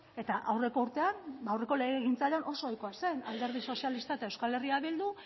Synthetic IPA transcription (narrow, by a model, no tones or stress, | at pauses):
e̞t̪aʔawre̞ko̞uɾt̪e̞anbawre̞ko̞le̞ɣeɣ̞int͡saʎanʔo̞so̞ajko̞ase̞na̰ld̪e̞ɾð̞iso̞sijalist̪aet̪aewskale̞riaβild̪u